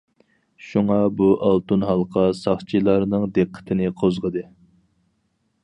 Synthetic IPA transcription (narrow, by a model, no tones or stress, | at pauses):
ʃuŋɑbuʔɑlˠt̪unɦɑlˠqʰɑsɑχt͡ʃʰilˠɑɾnɨŋd̪eqʰːə̥t̪ʰɪnɨqʰozʁəd̪ɨ